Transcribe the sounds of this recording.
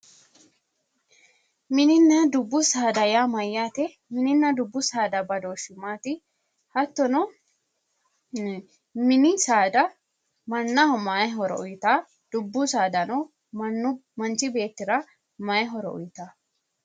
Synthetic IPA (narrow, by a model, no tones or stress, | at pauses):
mɪnɪnːɐd̪ʊbːʊsaːd̪ɐjamɐjːaːt̪ɛ | mɪnɪnːɐd̪ʊbːʊsaːd̪ɐbɐd̪oːʃʊmːaːt̪ɪ | hɐt̪ːɔnɔ | mɪnɪsaːd̪ɐ | mɐnːɐmajɦɔɾɔ̰ɔjɪt̪aː | d̪̥ʊbːʊsaːd̪ɐnɔ | nːʊmɐnt͡ʃɪbe̞ːt̪ːɪɾɐ | mɐjɛɦɔɾɔʔɔ̰jt̪aː